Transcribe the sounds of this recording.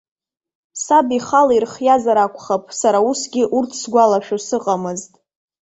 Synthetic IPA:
sabiχalirχjazaɾakʷʰʼχapʼsaɾausɡʲɪʔurtʰsɡʷalaʃᶣasɨqʼamɨztʼ

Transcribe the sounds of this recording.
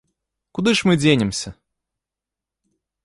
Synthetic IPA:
kʊd̪ɨʂmɨd͡zʲenʲɪmsʲɐ

